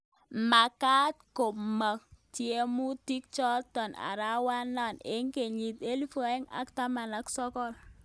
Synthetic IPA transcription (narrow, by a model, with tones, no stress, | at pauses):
ma˨ka˦t̚ko˨ma˨k̚tje˦mu˦ti˦k̚t͡ʃɔ˦tɔ˨na̰˨ɾa˦wa˦na˦˨ne˨˦ŋke˨ɲi˨t̪e˦li˦fɔ˨ɛ˦ŋa̰˨˦kta˦ma˨na˦ksɔ˦kɔ˦˨l